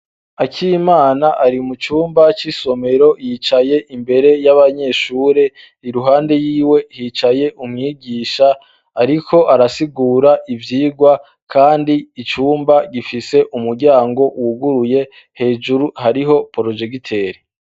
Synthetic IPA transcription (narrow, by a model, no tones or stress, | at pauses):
acʰimaːnaʔaɾimut͡ʃuːmbat͡ʃiso̞me̞ɾo̞jit͡ʃaje̞ʔimbe̞ɾe̞jaβaɲe̞ʃuːɾe̞ | iɾuɦaːnde̞jiːwe̞hiːt͡ʃaje̞ʔumŋiːɡiːʃaː | ɾikʰo̞ʔaɾasiɡuːɾaʔivjiːɡwa | kʰaːndiːt͡ʃuːmbaɟifise̞ʔumuɾɟaːŋɡo̞ʔwuɡuɾuje̞ | he̞ːʒuɾuhaɾiɦo̞poɾo̞d͡ʒe̞kitʰe̞ːɾi